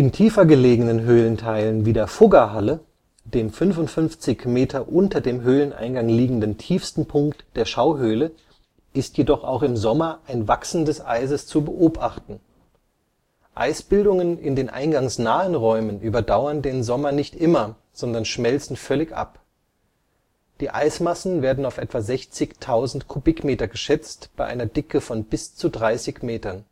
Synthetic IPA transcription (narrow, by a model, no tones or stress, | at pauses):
ʔɪntʰiːfɐɡəleːɡənənɦøːləntʰaɪlənviːdeːɐfʊɡɐɦalə | d̥eːmfʏnvʊntfʏnft͡sɪçmeːtʰɐʔʊntɐdeːmɦøːlənʔa̰ɪnɡaŋliːɡŋ̩dəntʰiːfstn̩pʰʊŋktd̥eːɐʃaʊɦøːlə | ʔɪstʰjedɔχa̰ʊxɪmzɔmɐʔaɪnvaksn̩dəsʔa̰ɪzəst͡subəʔoːbʔaχtn̩ | ʔa̰ɪsb̥ɪldʊŋənɪndeːnʔa̰ɪnɡaŋsnaːənʁɔʏmənʔyːbɐdaʊɐndeːnzɔmɐnɪçtʔɪmɐ | z̥ɔndɐnʃmɛlt͡sn̩fœlɪçʔa̰p | d̥iːʔa̰ɪsmasn̩veːɐdn̩aʊfʔɛ̰tv̥azɛçt͡sɪçtʰaʊzn̩tkʰubɪkmeːtɐɡəʃɛt͡stb̥aɪʔa̰ɪnɐdɪkəfɔnbɪst͡sudʁaɪsɪçmeːtɐn